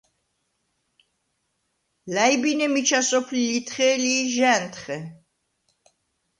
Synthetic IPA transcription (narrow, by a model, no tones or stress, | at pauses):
lajbinɛmit͡ʃʰasɔpʰlilit̪ʰχɛːliːʒɛːnt̪ʰχɛ